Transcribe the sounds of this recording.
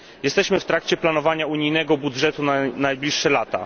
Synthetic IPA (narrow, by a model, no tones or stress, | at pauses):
jɛst̪ɛɕmɘft̪ɾakt͡ɕɛplan̪ɔvaɲauɲijnɛɡɔbudʐɛt̪unanajblʲiʂːɛlat̪a̰